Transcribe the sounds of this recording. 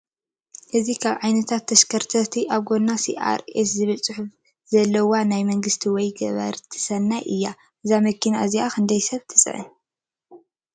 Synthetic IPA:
ʔɨzikʰaβʕajnɐt̪ʰat̪ʰːɐʃkʰɐɾt̪ʰɐt̪ʰiʔaβɡo̞nːasḭʔa̰ɾeszɨβɨlsʼɨħuf | z̥ɐlːɐwanajmɐŋɡɨst̪ʰiwɔjɡɐ̰βɐ̰ɾt̪ʰɨ̥sɐnːajʔɨjːa | ʔɨzamɐkʰina̰ʔɨziakʰɨnd̪ɐjsɐβt̪ʰɨ̥sʼɨ̰ʕɨ̰

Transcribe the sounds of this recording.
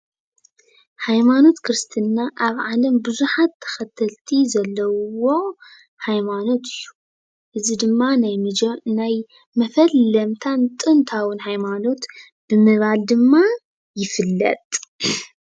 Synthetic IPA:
hajmano̞t̪kʰɨɾɨst̪ʰinːaʔaβʕalɐmbɨzuħat̪ʰːɐ̥xɐt̪ʰɐlt̪ʰizɐlːɐwwo̞ | hajmano̞t̪ɨjːu̥ | ʔɨzid̪ɨmːanajd͡ʒnaj | mɐfɐlːɐmt̪ʰant̪ʼɨnt̪ʰawɨnhajmano̞t̪ | b̥ɨmɨβald̪ɨmːa | jɪfɨlːɐ̰t̪ʼ

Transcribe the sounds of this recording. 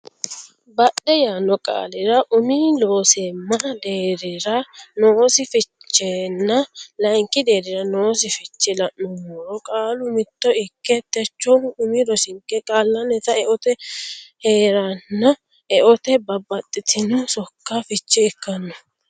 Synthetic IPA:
bɐɗɛjaːnɔkʼa̰ːlɪɾɐʔʊmilo̞ːsemːɐd̪eːɾɪɾɐnoːsɪfɪt͡ʃːeːnːɐlɐjŋkɪd̪e̞ːɾɪɾɐnoːs̬ɪfɪt͡ʃːɪlɐʔnʊmɔɾɔkʼaːlʊmɪt̪ːɔɪkːɛt̪ːɛt͡ʃːɔʊmiɾɔsɪŋkːɛkʼaːlːɐnɛt̪ɐɛʔɔt̪ɛheːɾanːɐ | ɛʔɔt̪ɛbɐbɐt̪ʼːɪt̪ʰɪnʊsɔkːafɪt͡ʃːɛːkːɐnːɔ

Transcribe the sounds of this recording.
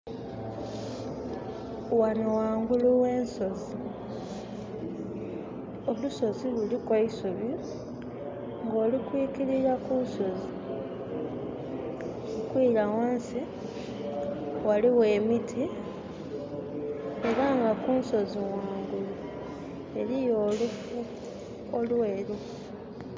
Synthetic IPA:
wanowaːŋɡuluwe̞ːnso̞zi | oluso̞zilulikwaisuβi | ŋɡo̞ːlikwiːkiɾiɾakuːnso̞zi | okwiːɾawaːnsi | waliwe̞ːmitʰi | e̞ɾaŋɡakuːnso̞ziwaːŋɡulu | e̞ɾijo̞ːlufu | olwe̞ːlu

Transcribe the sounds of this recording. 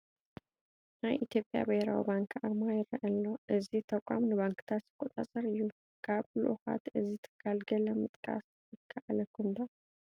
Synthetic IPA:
najʔit̪ʰjo̞pʼja̰behɾa̰wḭbaŋkʰʔaɾmajɪɾɐʔɐlːoʔɨzit̪ʰɐkʷʼamnɨbaŋkɨ̥t̪ʰat̪z̥ɨkʼɔt̪ʼasʼɐɾɨjːu | kʰaβlṵʔuxa̰t̪ɨzit̪ʰɨ̥kʰːalɡɐlɐmɨt̪ʼkʼa̰s | ɨkʰːaʔalɐkʰːund̪a

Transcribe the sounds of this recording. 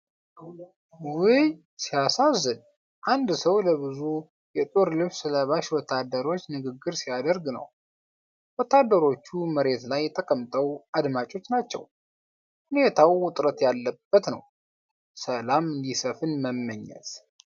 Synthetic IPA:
wij | sijasazɨn | ʔand̪səwləβɨzu | jɛt̪ʼoɾlɨβsləβaʃwɔt̪ʰːad̪ːəɾo̞t͡ʃːnɨɡɨɡːɨɾsijad̪əɾɡnə̰w | wɔt̪ʰːad̪ːəɾo̞t͡ʃːuməɾe̞t̪lajːɛt̪ʼəkʼəmt̪ʼəwʔad̪mat͡ʃʼo̞t͡ʃːnat͡ʃːɛ̰w | hunet̪ʰawːʊt̪ʼɾət̪jalːəb̥ːət̪nə̰w | səlamɨnd̪isəfɨnməmːəɲːɛ̰t̪

